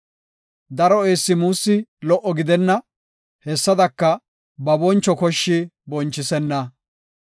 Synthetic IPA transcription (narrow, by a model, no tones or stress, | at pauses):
d̪ɐɾɔeːsːɪmuːsːɪlɔʔɔɡɪd̪ɛnːɐ | hɛsːɐd̪ɐkːɐ | bɐbɔnt͡ʃːɔkɔʃːɪbɔnt͡ʃːɪsɛnːɐ